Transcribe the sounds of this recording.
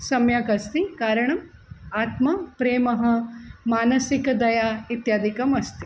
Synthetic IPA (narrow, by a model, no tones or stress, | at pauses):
sɐmjaːkɐst̪ikaːɾɐɳɐmaːt̪mɐpɾeːmɐɦɐ̆maːnɐsikɐd̪ɐjaːit̪jaːd̪ʱikɐmɐst̪i